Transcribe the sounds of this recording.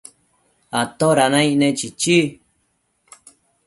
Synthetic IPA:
at̪oɾanãĩnẽt͡ʃit͡ʃi

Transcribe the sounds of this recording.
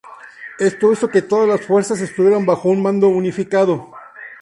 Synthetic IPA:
e̞st̪oisoke̞t̪o̞ðazlasfwe̞ɾsas̬e̞st̪uβjeɾombaxo̞unmãnd̪o̞unifikaðo̞

